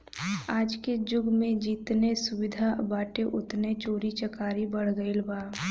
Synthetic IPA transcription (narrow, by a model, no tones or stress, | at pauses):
aːd͡ʒked͡ʒʊɡmẽd͡ʒiːt̪nesʊwɪd̪ʱabaːʈeʔʊt̪net͡ʃoːɾit͡ʃəkaːɾibəɽ̤ɡəilbaː